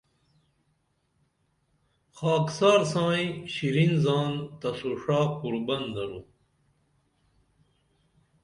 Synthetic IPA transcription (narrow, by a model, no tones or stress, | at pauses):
xaːksaːɾsãːĩɕiɾinzaːnt̪ɐsuʂaːpuɾbɐnd̪ɐɾu